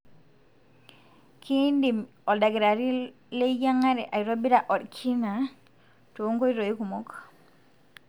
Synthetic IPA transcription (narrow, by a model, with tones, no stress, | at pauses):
ki˦ndi˨m | o˨lda˨ɡe˨ɾa˨ɾi˦ | le˦ja˦ŋa˦ɾe˨ʔa˨jɾo˦bi˦ɾa˨ʔo˨dkʰi˦na˨ | to˨˦ŋko˦jɾo˨i˦ku˨mo˦k